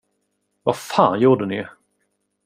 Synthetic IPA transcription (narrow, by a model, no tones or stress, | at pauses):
vafaːnjuːɖənɪ̰